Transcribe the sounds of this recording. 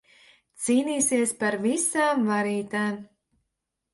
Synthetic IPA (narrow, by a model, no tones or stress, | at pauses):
t̪siːniːsiɛspaɾvisaːmvaɾiːt̪aːm